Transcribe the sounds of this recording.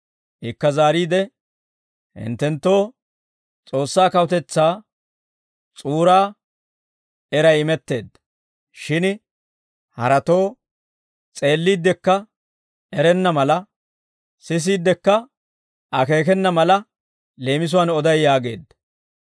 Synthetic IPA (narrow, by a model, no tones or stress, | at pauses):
ʔɪkːɐzaːɾiːd̪ɛ | hɪ̰nt̪ːɛnt̪ːo̞ː | t͡sʼo̞ːsːaːkɐwʊt̪ɛt͡sːaː | t͡sʼuːɾaː | ɛɾɐjɪmɛt̪ːe̞ːd̪ːɐ | ʃɪn | hɐ̰ɾɐt̪o̞ː | t͡sʼe̞ːlːiːd̪ːɛkːɐ | ɛɾɛnːɐmɐlɐ | sɪs̬iːd̪ːɛkːɐ | ʔɐke̞ːk̬ɛnːɐmɐlɐ | le̞ːmɪs̬ʊwɐnɔd̪ɐjːaːɡe̞̰ːd̪ːɐ̥